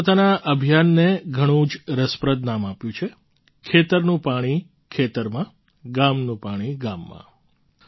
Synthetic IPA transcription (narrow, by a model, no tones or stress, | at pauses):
ot̪anaʔəbʱjanːeɡʱəɽ̃ũd͡ʒɾəspɾəd̪namapjũt͡ʃʰe | kʰet̪əɾnũpaɽ̃i | kʰet̪əɾmã | ɡamnũpaɽ̃iɡamːã̰